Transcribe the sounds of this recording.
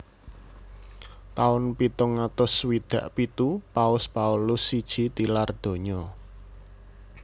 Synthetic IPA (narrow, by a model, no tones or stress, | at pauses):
t̪aʊnpit̪ʊŋat̪ʊswid̪̥ä̤ʔpit̪upaʊspaulʊsːid̥ʒ̥i̤t̪ilard̪̥o̤ɲɔ